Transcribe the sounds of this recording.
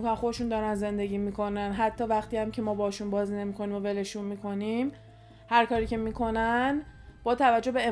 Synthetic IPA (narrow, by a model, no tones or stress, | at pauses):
ikonnxo̞d̪eʃund̪ɒːɾænze̞nd̪e̞ɟiːmikʰo̞nænɦæt̪ʰːɒːvæχt̪iæmcʰe̞mɒːbɒhɒʃunbɒːzine̞miːkʰo̞niːmove̞le̞ʃunmiːkʰo̞nim | hæɾkʰɒːɾiːce̞miːkʰo̞nænb̥ɒːt̪ʰævæd͡ʒːo̞hbe̞e